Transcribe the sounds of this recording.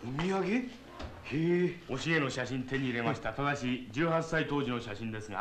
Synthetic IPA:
ɯmʲijaɡʲi | hio̞ɕie̞no̞ɕaɕĩnt̪e̞ɲ̟iːɾe̞maɕi̥t̪at̪ad̪aɕid͡ʑɨːhasːait̪o̞ːʑino̞ɕaɕĩnd̪e̞sɨɡa̰

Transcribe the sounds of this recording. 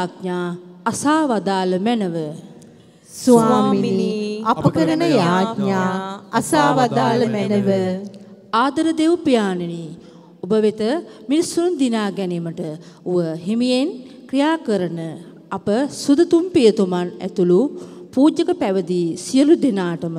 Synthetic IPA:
aːk̚ɲaːasaːʋad̪aːləmænəʋə | saːminiapəkəɾənəjaːkɲaːasaːʋad̪aːləmɛnəʋə | aːd̪ɐɾəd̪eʋpijaːneni | obəʋet̪əminisuɾund̪inaːɡɛneməʈəuʋəɦemijenkɾijaːkəɾənə | apəsud̪ɐt̪umpijət̪umanæ̰t̪ulupuːd͡ʒəkəpæʋəd̪isijəlud̪inaːʈəmə

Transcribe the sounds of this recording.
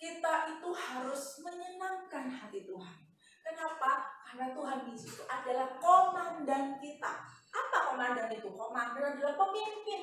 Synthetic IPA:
kit̪aʔit̪uhaɾʊsməɲənaŋkanɦat̪it̪uɦan | kənapakarnat̪uɦanbisut̪uʔadalahkomandankit̪a̰ʔapakomandanit̪ukomandanadilapəmimpɪn

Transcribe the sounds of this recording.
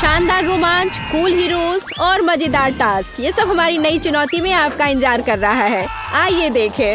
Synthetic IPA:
ʃãːnd̪aːɾːoːmãːnt͡ʃkuːlɦiɾoːsɔːɾmɐd͡ʒɪd̪aːɾʈ̪aːskjesɐbɦɐmaːɾinɐit͡ʃʊnɔːt̪imẽaːp̚kaɪ̃nd͡ʒaːɾkɐɾːɐɦaɦɛː | aːied̪eːkʰeː

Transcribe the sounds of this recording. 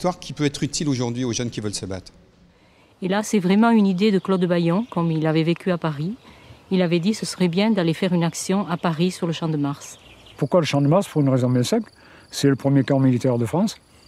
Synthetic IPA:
t̪waʁkʲʰipøɛt̪χyt̪ʰiloʒuʁd̪ɥioʒœnkʲivœlsəba̰t̪χ | elasɛvʁɛmɑ̃ynid̪ed̪əklɔd̪bajɔ̃kɔmilavɛvekʲyapaʁiilavɛd̪isəsə̥ʁɛbjɛ̃d̪alefɛʁynaksjɔ̃ʔapaʁisyʁləʃɑ̃d̪əmaʁspuʁkwaləʃɑ̃d̪əmaʁspuʁynʁezɔ̃bjɛ̃sɛ̃pl | sɛləpχəmjekɑ̃milit̪ɛʁd̪əfχɑ̃s

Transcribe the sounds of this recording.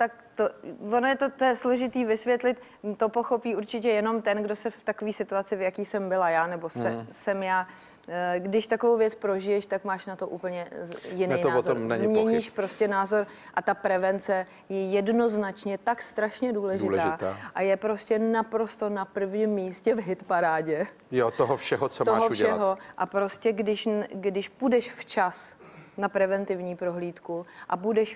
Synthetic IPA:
t̪ak̚ | t̪ovonojɛt̪ot̪ojɛslo̞ʒɪt̪iːvɪsvjɛt̪lɪt̪ | t̪o̞po̞xo̞piːʔuɾt͡ʃɪcɛjɛno̞mt̪ɛnɡdosɛft̪akoviːsɪt̪uat͡sɪvjakiːsɛmbɪlajaːnɛbo̞sɛsɛmjaː | ɡdɪʃt̪ako̞vowvjɛt͡spɾo̞ʒɪjɛʃt̪akmaːʃnat̪o̞ʔuːpl̩ɲɛjɪnejnaozooɾmɛzmɲɛɲiʃpɾo̞scɛnaːzo̞ɾ | ʔat̪apɾɛvɛnt͡sɛ | jɛjɛdno̞znat͡ʃɲɛt̪akst̪ɾaʃɲɛduːlɛʒɪlʒaɪːt̪aːʔajɛpɾo̞scɛnapɾo̞st̪o̞napr̩vɲimːiːscɛvɦɪt̪paɾaːɟɛ | jot̪oɦofʃɛɦot͡somt̪oa̰ːɦouʃɟɛɛaɦoʔapɾo̞scɛɡdɪʃɡdɪʃpudɛʃft͡ʃasnapɾɛvɛnt̪ɪvɲiːpɾo̞ɦliːt̪kuʔabudɛʃ

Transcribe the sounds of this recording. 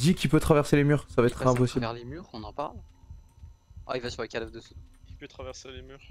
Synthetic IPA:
d̪ikʲipøt̪χavɛʁselemyʁsavaɛt̪χɛ̃pɔsibvɛʁlemyːʁɔ̃nɑ̃pa̰ʁl | a̰ilvasyʁləkʲalvd̪əsukʲipøt̪χavɛʁselemyːʁ

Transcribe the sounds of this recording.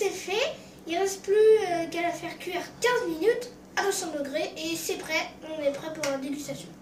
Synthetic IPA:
sɛfɛ | ilʁɛst̪plyøkalafɛʁkʲɥɛʁkʲɛ̃zminyt̪ | abəsɑ̃d̪əɡʁeʔesɛpχɛɔ̃nɛpχɛpuʁɛ̃d̪eɡʲyst̪asjɔ̃

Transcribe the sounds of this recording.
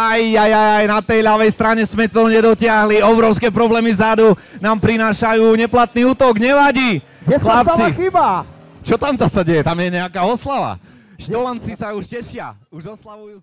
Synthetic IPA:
ajːajajajnat̪ɛjlaʋɛjst̪ɾaɲɛsmɛt̪ɔɲɛd̪ɔcɪaɦliɔbɾɔʊskɛːpɾɔblɛːmivzad̪unaːmpɾinaːʃajuːɲɛplat̪̚niuːt̪ɔɡɲɛʋaɟi | ɛxlapt͡siiba | t͡ʃɔt̪amt̪asaɟɛjɛt̪amjɛɲɛakaːɔslaʋa̰ | ʃt̪ɔlant͡sisauʃcɛʃɪauʒɔslaʋujuː

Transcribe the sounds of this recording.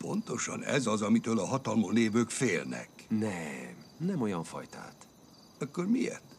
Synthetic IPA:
po̞̰nt̪o̞ʃɒ̰nɛ̰zɒzɒmit̪øːlɒɦɒt̪ɒlmoneːvøːkfeːlnɛ̰knɛmnɛmo̞jɒɱfɒ̰jt̪a̰ːt̪ | ɒkːormiɛ̰rt̪

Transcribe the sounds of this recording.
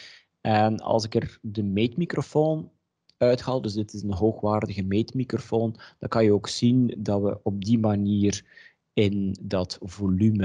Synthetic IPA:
ɛnɑ̰lˠsɪkərdəmeːtmikrofoːn | œɥtxaːlˠdɵzdɪtɪsənɦoːxʋaːrdəɣəmeːtmikrofoːnd̥ɑŋkɑnjəoːksindɑtwə̰ʔɔb̚dimaniːr | ɪndɑtvolymə

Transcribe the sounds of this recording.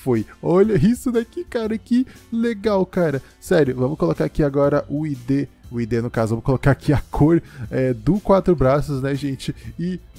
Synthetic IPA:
fojɔʎɐisʊd̪akɪkaɾɐkɪleɡawkaɾɐ | sɛɾjʊvɐ̃mʊkolokaɾakiaɡɔɾɐʔʊid̪e | ʊid̪enʊkazʊvɐ̃mʊkolokaɾakʰiakʰoɾɛd̪ʊkwat̪ɾʊbɾasʊznɛʒẽt͡ʃɪɪ

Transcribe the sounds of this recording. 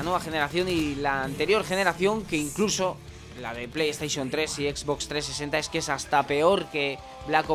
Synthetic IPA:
nwe̞βaxe̞ne̞ɾaθjo̞nilaːnt̪e̞ɾjo̞ɾxe̞ne̞ɾaθjo̞ŋkeiŋkluso̞ | la̰ðe̞plejest̪ajʃo̞nt̪ɾe̞siekzβo̞kst̪ɾe̞s̬ːese̞nt̪ae̞ske̞sast̪ape̞o̞ɾke̞ | βlako

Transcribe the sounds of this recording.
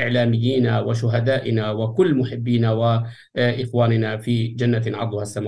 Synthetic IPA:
ʔɪʕlaːmɪjːiːnawɪʃʊɦad̪aːʔɪnawɪkʊlːmʊħɪbːiːnawɪ | ʔɪxwaːnɪnafiːd͡ʒanːanʕɑˤd̪ˤʊhasːamaː

